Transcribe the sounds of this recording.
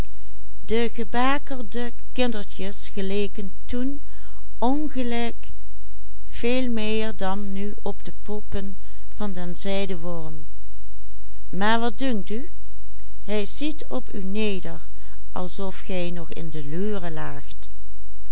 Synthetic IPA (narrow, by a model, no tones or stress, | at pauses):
dəɣəbaːkəɹdə | kɪndəɹtəsχəleːkəntun | ɔnɣəlɛk | v̥eːlˠmɪːɹdɑnːy | ɔbdəpʰɔpən | v̥ɑndənzɛjdəʋɔɹm | maːɹʋɑt̚dʊŋty | ɦɛjzitʰ | ɔpy̰ːneːdəɹ | ʔɑ̰lˠsɔfχɛjnɔχɪ̰ndəlyːrəlaːxt